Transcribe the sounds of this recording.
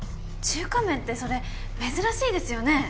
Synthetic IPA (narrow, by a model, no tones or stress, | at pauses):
t͡ɕɨːkamẽ̞nt̪ːe̞so̞ɾe̞ | me̞zɨɾaɕiːd̪e̞sɨjo̞ne̞